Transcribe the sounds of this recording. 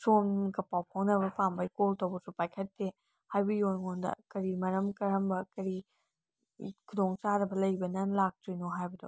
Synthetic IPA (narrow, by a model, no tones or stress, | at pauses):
somkɐpawpʰoŋnɐβɐpambɐjkoltɐwbɐɾsupajkʰɐtːe | hajbɐjonŋondɐ̰kɐɾimɐɾɐmkɐɾɐmbɐkɐɾi | kʰudoŋt͡ʃaɾɐbɐlɐjbɐnɐnlak̚tɾinoɦajbɐdo̰